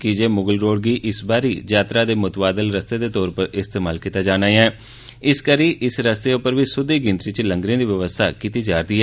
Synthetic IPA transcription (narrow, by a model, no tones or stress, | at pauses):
kid͡ʒeːmʊɡəlɾoːɖ̚ɡiːʔɪsbaːɾiːd͡ʒaːt̪ɾaːd̪eːmʊt̪baːd̪əlɾəst̪eːd̪eːt̪ɔːɾpəɾɪst̪eːmaːlkit̪aːd͡ʒaːnaːɛː | ɪskəɾiːʔɪsɾəst̪eːopəɾʋiːsʊd̪iːɡɪ̃nt̪ɾiːt͡ʃləŋɡɾẽːd̪iːʋəʋəst̪ʰaːkit̪iːd͡ʒaːɾd̪iːɦɛː